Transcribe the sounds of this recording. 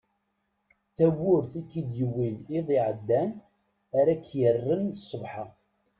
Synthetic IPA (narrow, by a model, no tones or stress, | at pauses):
θæwʊɾθikːid̪jəwːiðiðˤiʕəd̪ːæn | æɾækːjərːənsˤːəvħɑ